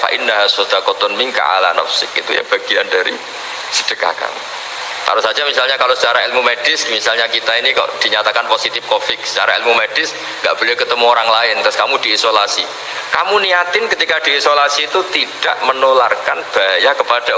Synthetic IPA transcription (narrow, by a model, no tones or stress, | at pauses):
fa̰ʔindaɦsod̪akot̪ɔnmiŋka̰ʔa̰la̰na̰fsɪkḭt̪ṵja̰b̥aɡ̥iandaɾḭ | sə̥d̥əka̰hka̰mṵ | t̪a̰ɾusad͡ʒamisalɲakalosət͡ʃaɾailmumed̥ɪsmisalɲakit̪ainika̰ʔd̥iɲat̪akanposit̪ɪfkofɪk̚sə̥t͡ʃa̰ɾailmumed̥ɪs | ŋɡa̰ʔb̥olakət̪əmuoɾaŋlaɪnt̪ʊskamud̥iːsolasi | kamuniat̪ɪnkət̪ikad̥iːsolasiːt̪ut̪id̥aʔmənolarkanb̥ajakəpad̥a